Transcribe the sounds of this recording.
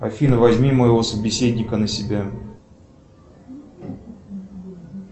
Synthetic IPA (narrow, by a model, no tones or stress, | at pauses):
ɐ̰fʲinəvɐzʲmʲiməjɪvosəbʲɪsʲedʲnʲɪkənəsʲɪbʲa